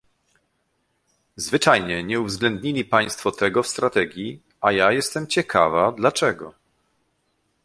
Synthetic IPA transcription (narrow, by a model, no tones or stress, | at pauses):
zvɘt͡ʂajɲɛɲɛuvzɡlɛnd̪ɲilʲipaj̃st̪fɔt̪ɛɡɔfst̪ɾat̪ɛɡʲji | ajajɛst̪ɛmt͡ɕɛkʰa̰vad̪lat͡ʂɛɡɔ